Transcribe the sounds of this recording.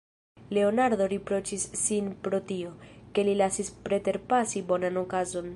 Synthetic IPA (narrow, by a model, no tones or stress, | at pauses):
le̞o̞naɾd̪o̞ɾipɾo̞t͡ʃisːinpɾo̞tio̞ke̞lilasispɾe̞te̞ɾpasibo̞nano̞kazo̞n